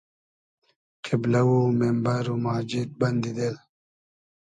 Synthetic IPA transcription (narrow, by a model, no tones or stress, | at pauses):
qʰiblɐwumembɐɾumaːd͡ʑid̪̚bɐnd̪id̪el